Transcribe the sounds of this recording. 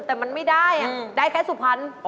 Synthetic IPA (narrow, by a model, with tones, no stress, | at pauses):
t̪ɛː˨˩ma˧nma˥˩jdaː˥˩jʔa˨˩daː˥˩jkʰaː˧˥˩su˨˩pʰa˧˥n˧